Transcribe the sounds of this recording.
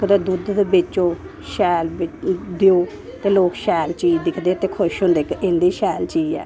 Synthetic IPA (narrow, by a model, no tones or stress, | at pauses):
kd̪aːd̪ud̪d̪eːbɪt͡ʃːoː | ʃɛːlbɪd̪eoː | t̪eːloːkʃɛːlt͡ʃiːd͡ʒd̪ɪkʰd̪eːt̪eːkʰʊʃɦʊ̃nd̪eːkɪ̃nd̪iːʃɛːlt͡ʃiːd͡ʒɛ̰ː